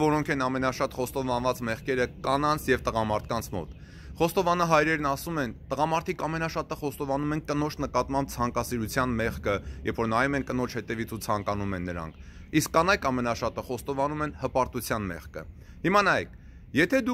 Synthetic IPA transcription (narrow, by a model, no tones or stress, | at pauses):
vɔɾɔŋkʰɛnɑmɛnɑʃɑt̪χɔst̪ɔvɑnvɑt͡smɛʁkɛɾəkɑnɑnt͡sʰjɛvt̪əʁɑmɑɾt̪ʰkɑnt͡sʰmɔ̰t̪ | χɔst̪ɔvɑnɑɦɑjɾɛɾnɑsumɛnt̪əʁɑmɑɾt̪ʰikɑmɛnɑʃɑt̪əχɔst̪ɔvɑnumɛnkənɔt͡ʃʰnəkɑt̪mɑmb̚t͡sʰɑŋkɑsiɾut͡sʰjɑnmɛχkəjɛvfɔɾnɑjumɛnkənɔt͡ʃʰhɛt̪ɛvit͡sʰut͡sʰɑŋkɑnumɛnːəɾɑ̰ŋkʰ | iskːɑnɑjkʰɑmɛnɑʃɑt̪əχɔst̪ɔvɑnumɛnhəpɑɾt̪ut͡sʰjɑnmɛ̰ʁkə̰ | himɑnɑjɛk̚ʰ | jɛt̪ʰɛd̪u